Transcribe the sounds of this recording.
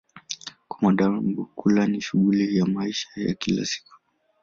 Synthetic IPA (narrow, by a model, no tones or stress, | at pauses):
kwamaɗambukulaniʃuɠulijamaiʃḁja̰kila̰si̥ku̥